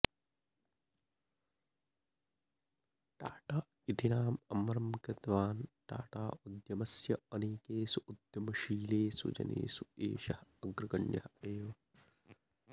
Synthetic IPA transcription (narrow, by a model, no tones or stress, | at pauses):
ʈaːʈaː | it̪inaːmɐmɐɾɐmkɐt̪ʋaːnʈa̰ːʈaːud̪jɐmɐsjɐɐneːkeːsuud̪jɐmɐʃiːleːsṵd͡ʒɐ̰nḛːsuḛːʃɐhɐɡɾɐɡɐnjɐheːʋɐ